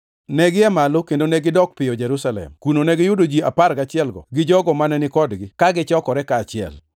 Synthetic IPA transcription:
nɛɡɪɛmalokendonɛɡɪdɔk̚pɪjɔd͡ʒɛɾusalɛ̰mkunonɛɡɪjʊdod͡ʒiapaɾɡat͡ʃɪɛlɡɔ̰ɡɪd͡ʒɔɡɔmanɛnɪkɔdɡɪkaɡɪt͡ʃɔkɔɾɛkaːt͡ʃɪɛ̰l

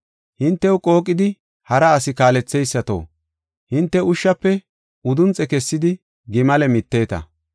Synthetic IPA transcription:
hɪnt̪ːɛwʊkʼo̞ːkʼːɪd̪ɪ | hɐɾɐːsɪkaːlɛt͡sːɛjsːɐt̪o̞̰ː | hɪnt̪ːɛʊʃːɐpːɛ | ʊd̪ʊnt͡sʼɛkɛsːɪd̪ɪ | ɡɪmɐlɛmɪt̪ːe̞ːt̪ɐ̰

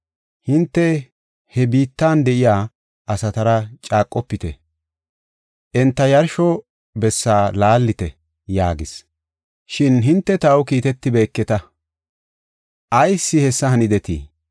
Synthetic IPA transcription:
hɪnt̪ːɛ | hɛbiːt̪ːaːnd̪ɛʔɪjaː | ʔɐsɐt̪ɐɾɐt͡ʃʼaːkʼːɔpːɪt̪ɛ̰ | ʔɛnt̪ːɐjɐɾʃɔ | bɛsːaːlaːlːɪt̪ɛ | jaːɡɪs | ʃɪnɦɪnt̪ːɛt̪ɐwkiːt̪ɛt̪ːɪbe̞ːkːɛt̪ɐ | ʔɐjsːɪhɛsːɐhɐnɪd̪ɛt̪ḭː

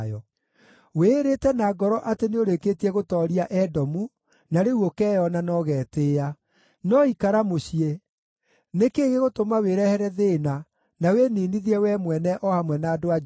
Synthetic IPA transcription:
jɔ | weɾetɛnaɡɔɾɔʔateneoɾekeːtiɛɣotɔɾiaʔɛdɔmu | naɾeuokɛːjɔnanɔɣɛːteːa | nɔikaɾamoɕie | nekeːɣeɣotomaweɾɛhɛɾɛðena | naweniniðiɛwɛmwɛnɛʔɔhamwɛnaːdoa

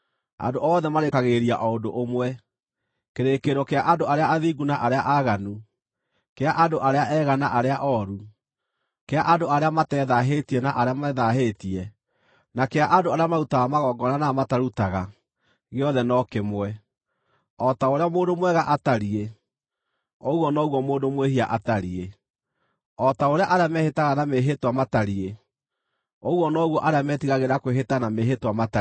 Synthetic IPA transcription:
a̰ndoʔɔːðɛmaɾekaɣeɾia̰ʔɔondoʔomwɛ | keɾekeɾɔkeaʔadoaɾeaʔaðiːɡunaʔaɾeaʔaɣanu | keaʔadoʔaɾeaʔɛːɣanaʔaɾeaʔɔɾu | keaʔandoaɾeamatɛðaɦetiɛnaʔaɾeamɛðaɦetiɛ | nakeaʔandoaɾeamautaamaɣɔːɡɔnanamataɾutaɣa | ɣeɔðɛnɔkemwɛ | ɔtaoɾeamoːndomwɛɣaʔataɾie | oɣwɔnɔɣwɔmoːndomweɦiaʔataɾie | ɔtaoɾeaʔaɾeamɛhetaɣanameɦetwamataɾie | oɣwɔnɔɣwɔʔaɾamɛtiɣaɣeɾakweɦetanameɦetwamata

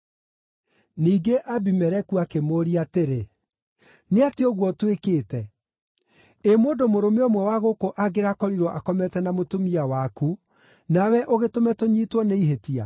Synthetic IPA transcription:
niːɡeʔabimɛɾɛkuakemoːɾiateɾe | neateɔɣwɔtwekeːtɛ | emoːdomoɾomeɔmwɛwaɣokoʔaɡeɾakɔɾiɾɔʔakɔmɛtɛnamotomiawaku | nawɛʔoɣetomɛtoɲiːtwɔneiɦetia

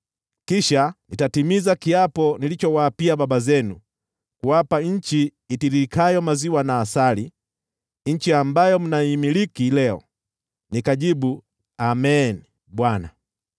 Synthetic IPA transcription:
kiʃanitatimizakiapɔnilit͡ʃɔwaːpiababazɛnu | kuwapaɲ̩t͡ʃiː | tiɾikajɔmaziwanaːsali | ɲ̩t͡ʃiambajɔm̩naimilikilɛɔ̰ | nikaʄibu | amɛni | ɓwana

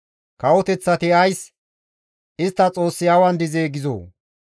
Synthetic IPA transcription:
kɐwɔt̪ɛt͡sːɐt̪ɪɐjs | ɪst̪ːɐt͡sʼo̞ːsːɪjaːwɐnd̪ɪzeːɡɪzo̰ː

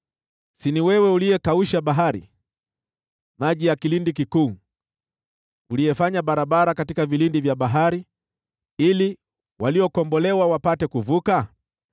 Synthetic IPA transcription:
siniwɛwɛuliɛkauʃaɓaɦaɾḭ | maʄijakilindikikuː | ulijɛfaɲaɓaɾaɓaɾakatikavilindivjaɓaɦaɾi | ili | wʔaliɔkɔmbɔlɛwawapatɛkuvuka

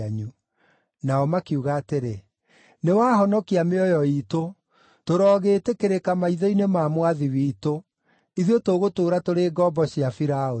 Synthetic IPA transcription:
aɲu | naɔmakiuɣaːteɾe | newaːhɔnɔkiameɔjɔito | toɾɔːɣeːtekeɾekamaiðɔinemaːmwaðiwiːto | iðiotoɣotoːɾatoɾeːɡɔbɔɕiafiɾao

